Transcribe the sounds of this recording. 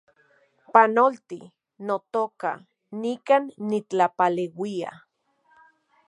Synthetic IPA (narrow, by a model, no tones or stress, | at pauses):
panolt̪i | not̪oːka̰ | nikanːit͡ɬapalewia̰